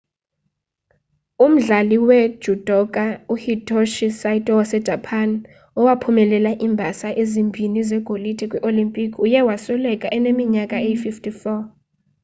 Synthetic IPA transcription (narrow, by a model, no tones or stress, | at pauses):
um̩ɮaliwɛd̥ʒ̥ʱud̥ʱʼɔkʼauhitʰʼoʃisajtʼɔwasɛd̥ʒ̥ʱapʰan | ɔwapʰumɛlɛlaʔimbʱasaʔezimbʱinizɛɡ̥ʱolitʰʼɛkʼwiʔolimpʼikʼʰujɛwasɔlɛkʼaʔɛnemiɲakʼaejififtʰʼifɔ